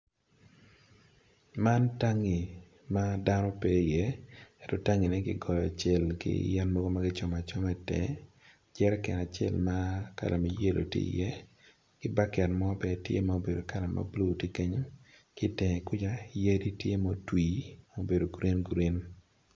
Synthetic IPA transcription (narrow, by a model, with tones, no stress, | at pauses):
ma˦nta˦ŋi˨ | ma˦da˦nɔ˦pe˦i˨jɛ˦ɛ˨tɔ˨ta˦ŋi˨nɛ˦ɡɪ̰˦ɡɔ˨jɔ˨a˨t͡ʃɛ˦˨lkɪ̰˦jɛ˦nmɔ˦ɡo˦ma˦ɡɪ˦t͡ʃɔ˨ma˨t͡ʃɔ˦mɛ˦tɛ̰˨ | d͡ʒɛ˦ɾɛ˦kɛ̰˨na˨t͡ʃɛ̰˦lma˦ka̰˨lʔa˨mi˨je˦lʔo̰˨tjḛ˦ḭ˨jɛ˦ | ɡ̥ɪ˦ba˦kɛ˨nmɔ˦bɛ˨tjḛ˦ma˦o˨be˨do˨ka˦la˨ma̰˨blu˦˨ti˦ke˦ɲo˦ | kɪ˦tɛ˨ŋ˨kʊ˦d͡ʒa˦je˦ɾi˦tje˦mo˦twiː˨mo˦be˨do˨ɡɾe˦nɡɾe˦n